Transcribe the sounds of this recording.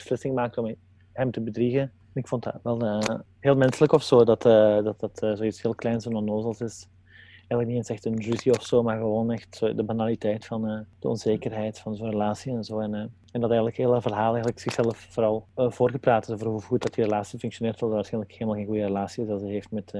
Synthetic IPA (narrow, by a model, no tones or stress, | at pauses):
b̥əslɪsɪŋmaːk̚tɔm | hɛmtəbədriɣə | ɛnɪkfɔnta̰ʋɛlˠə | heːlˠmɛnsələkɔfsoːdɑtʰːdɑt̚dɑtːzoːitsheːlˠklɛjnsonɔnoːzəlˠsɪs | ɛjɣələk̚niɛnsɛxtənryziɔfsoːmaːrɣəʋoːnɛxtodəbanalitɛjtfɑnəd̥əɔ̰nzeːkərɦɛjtfɑnzoːnrəlaːsiɛnzoːɛn | ɛndɑtɛjɣənləkɦeːlˠəvərɦaːlˠɛjɣələksɪxsɛləfvoːɾɑlˠvoːrɣəpraːtɪsoːvərɦuɣut̚dɑtirelaːsifɵŋksjoneːrtʋɑlˠdɑtːaːsxɛjnləkeːləmalˠxeːnxujərəlaːsiɪsɑzɛɦeːftmɛt